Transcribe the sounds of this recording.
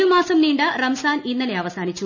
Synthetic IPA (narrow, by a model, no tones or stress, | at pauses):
umaːsɐmniːɳɖɨrɐmsaːninːɐleɐʋɐsaːnit͡ɕːu